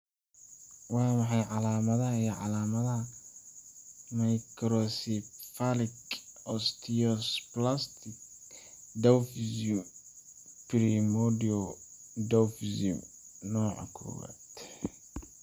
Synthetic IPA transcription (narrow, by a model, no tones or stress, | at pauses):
wɑːmɑħɑjʕɑlaːmɐðɐɦɐijɞʕɑlaːmɐðɐɦɐ | majkʰɾɔsifalɪkɔst̪ʰiɔsplast̪ʰɪk | d̪ɛfisum | pɾimɔdiɔ | d̪ɛwfisḭm | nɔːʕɑ̰kʰɔ̰ːwa̰ːd̪